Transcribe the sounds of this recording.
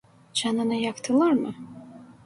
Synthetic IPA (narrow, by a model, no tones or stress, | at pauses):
t͡ʃananajakt̪ʰɨlˠarmɨ